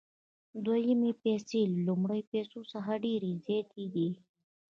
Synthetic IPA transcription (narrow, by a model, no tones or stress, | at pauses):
d̪wajimipeselːumɽəjpesosaɦaɖeɾizɑt̪id̪i